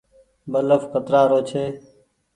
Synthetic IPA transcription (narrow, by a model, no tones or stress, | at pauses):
bələfkət̪ɾaːɾoːt͡ʃʰeː